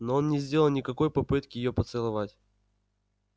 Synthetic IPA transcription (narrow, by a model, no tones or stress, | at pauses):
noonnʲɪzʲdʲe̞lˠəlˠnʲɪkɐko̞jpɐpɨt̪kʲɪjɪjo̞pət̪sɨlˠɐvatʲ